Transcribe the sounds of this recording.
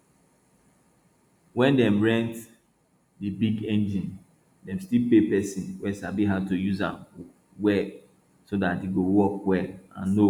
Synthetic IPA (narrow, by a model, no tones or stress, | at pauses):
wɛ̃ndɛ̃mɹɛ̃nt | dibiɡɛ̃nd͡ʒĩn | dɛ̃mstilpepɛsĩnwɛsabiɦatujuzã̰m | wɛ | sodatdeɡowɔkwɛlã̰nːo